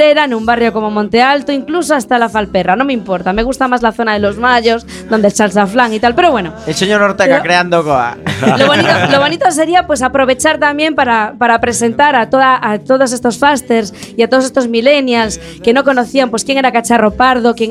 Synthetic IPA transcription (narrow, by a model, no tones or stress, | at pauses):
eɾanũmbarjoko̞mo̞mõnt̪ealt̪oiŋklus̬oast̪alafalperanomeimpo̞ɾt̪ameɣ̞ust̪amazlaθo̞naðelo̞zmaʎos | ðo̞nd̪elsalsaflaŋit̪alpeɾoβwenoelseɲoɾoɾt̪eɣakɾeand̪oɣoa̰loβnit̪oloβ̞o̞nit̪o̞se̞ɾiapwe̞s̬apɾo̞β̞e̞t͡ʃaɾt̪ambje̞mpaɾapaɾapɾe̞se̞nt̪aɾat̪oðaʔat̪o̞ð̞ose̞st̪o̞sfast̪eɾs | iat̪oðsest̪o̞zmilenjals | ke̞no̞ko̞noθiampwe̞skje̞ŋeɾakat͡ʃaropaɾð̞okje